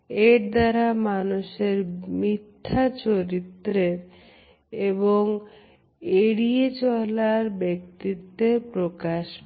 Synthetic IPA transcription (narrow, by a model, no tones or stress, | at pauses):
eɾd̪aɾamanuʃeɾmit̪ʰːat͡ɕoɾit̪ːɾeɾ | eboŋ | eɽiet͡ɕɔlaɾbek̚t̪it̪ːepɾokaʃ